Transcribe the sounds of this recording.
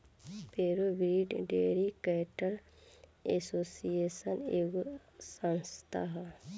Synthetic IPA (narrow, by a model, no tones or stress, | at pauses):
peːɾobɾiɖɖeːɾikɛʈɐl | esoːsijeːsɐneɡ | sɐnst̪ʰaɦ